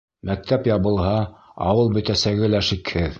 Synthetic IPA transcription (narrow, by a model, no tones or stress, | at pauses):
mæk̚t̪æpjɑβɤ̆lˠɦɑɑ̰wɤlˠbɵ̆t̪æsæɡɘlæʃikhɘð